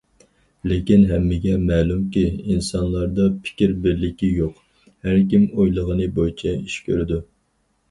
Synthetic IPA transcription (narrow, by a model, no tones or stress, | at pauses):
lekʲinɦɛmːɪɡʲɛmɛːlumkʲiinsɑnlˠɑɾd̪ɑpʰi̥kʲiɾbɪɾlɪkʲijoq | hæɾkʲimojlˠəʁənɨbojt͡ʃʰɛiʃkʲʰøɾɪd̪u